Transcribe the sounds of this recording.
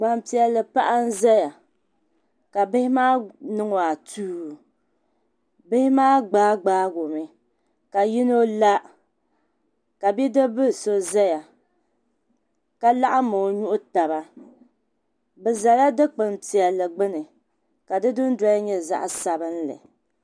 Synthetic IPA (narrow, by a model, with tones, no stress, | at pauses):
ɡ͡ba˨mpi˨ɛ˨lːɨ˨pa˦ʔa˦n̩˦za˦ja˨ | ka˨bɪ˦hɪ˦maː˦nɨ˦ŋo˨a˨tuː˦˨ | bɪ˦hɪ˦maː˦ɡ͡baː˦ɡ͡baː˦ɡo˨mɨ˦ | ka˨ji˦no˦la˦ | ka˨bi˦dɨ˦bɨ˦˨so˦za˦ja˨ | ka˦la˦ʔa˦mo˨ɲu˦ʔʊ˦ta˨ba˦ | bɨ˨za˨la˦dɨ˦k͡pɨ˨nti˨ɛ˨lːɨ˨ɡ͡bɨ˦nɨ˨ | ka˨dɨ˦dʊ˦n˦da˦jɲɛ˦za̰˦ʔsa˨bɨ˦n̩lɨ̰˨